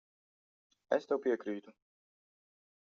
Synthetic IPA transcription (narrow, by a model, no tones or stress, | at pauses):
ɛst̪ɛwpiɛkɾiːt̪u